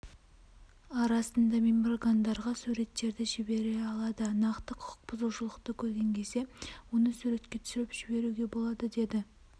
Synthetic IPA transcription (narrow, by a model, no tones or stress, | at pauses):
ɑɾɑsənd̪ɑmemroɡand̪ɑɾʁɑsuɾe̞t̪ːe̞ɾd̪ɪʒɪbe̞ɾe̞ɑlˠɑd̪ənɑqt̪əqʰʊ̥ʊ̥q̚b̥ʊzuʃəlˠəqt̪əkʲʰɵɾɡʲe̞ŋkʲʰe̞ze̞wonəsuɾe̞t̪kʲe̞t̪ʰʏ̥sɪɾɪpʒ̥ɪbe̞ɾuɡʲe̞bo̞lˠɑd̪əd̪e̞d̪ɪ